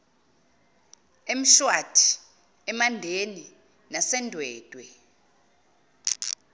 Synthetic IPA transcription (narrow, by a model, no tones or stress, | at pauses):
em̩ʃwatʰi̥ | ɛmandʱeni | nasɛndʱwɛːd̥ʱʼwɛ